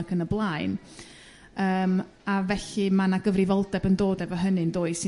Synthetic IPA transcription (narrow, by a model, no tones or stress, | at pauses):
ɡʰənəblˠaɨn | əːm | avɛɬɨmanaɡəvrɪvɔlˠdɛbəndoːdɛvɔɦənɨndoːɨ̥sɪ